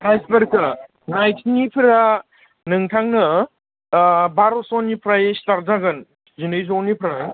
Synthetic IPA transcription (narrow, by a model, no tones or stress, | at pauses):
pʰajsbɐɾkɐ | najtʰinipʰɾa | nɯŋtʰaŋnɯ | baɾosɔnipʰɾajestaɾzaɡɯn | zinɯjzonipʰɾa